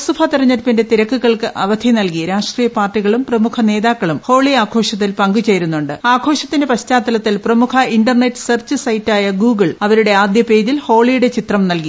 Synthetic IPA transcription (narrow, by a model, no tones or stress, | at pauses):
subʱɐt̪irɐɲːɐɾpinde̞t̪iɾɐkːuɣɐɭkɨʔɐʋɐd̪ʰʱinɐlkiɾaːʂʈriːjɐpaːrʈːiɣɐɭumprɐmukʰɐne̞ːðaːkːɐɭumho̞ːɭiaːkʰo̞ːʂɐt̪̬ːilpɐŋɡut͡ɕe̞jɾunːuɳɖɨaːkʰo̞ːʂɐt̪ːindepɐɕtaːt̪ːɐlɐt̪ːilprɐmukʰɐinɖɐrnetːɨ̥sɐrt͡ɕɨsɐjtːaːjɐɡuːɡɐɭɐʋɐɾuɽe̞aːd̪jɐpe̞ːd͡ʑilho̞ːɭijuɽe̞t͡ɕit̪rɐmnɐlki